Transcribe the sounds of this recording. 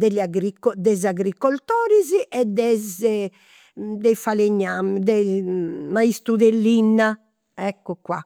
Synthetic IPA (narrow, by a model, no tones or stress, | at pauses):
d̪ɛʎaɡɾikːɔd̪ɛzaɣɾikːɔlt̪ɔːɾiziʔɛd̪ɛzɛ | d̪ɛfaleɲːamd̪ɛ | maist̪ɾuðelːinːa | ɛkːɔkwa̰